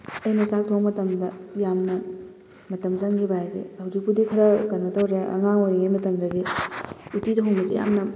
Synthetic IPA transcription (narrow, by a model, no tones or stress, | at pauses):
ɐjnɐsak̚tʰowmɐtɐmdɐjamnɐ | mɐtɐmzɐŋɡibajaɡḭhɐwzik̚pudikʰɐɾɐkɐnmɐtɐwɾeɐ̰ŋaŋojɾiŋejmɐtɐmdɐɡi | utitʰɦoŋmɐzḭja̰mnɐ